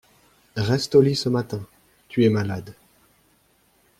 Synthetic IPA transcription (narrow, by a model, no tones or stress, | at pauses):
ʁɛst̪olisəmat̪ɛ̃ | t̪yɛmalad̪